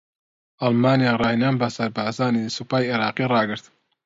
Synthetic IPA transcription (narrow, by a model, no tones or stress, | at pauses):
ʔɐlmaːnijaːrˤɑːjnaːnbɐsɐɾbaːzaːnisupaːjeɾɑːqirɑːɡɨɾt̪